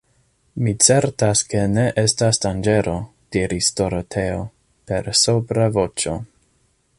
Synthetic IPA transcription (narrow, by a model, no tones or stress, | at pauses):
mit͡se̞ɾtaskene̞ʔe̞stasdand͡ʒe̞ɾo̞ | d̥iɾisto̞ɾotʰe̞o̞ | pe̞ɾsopɾavo̞t͡ʃo̞̰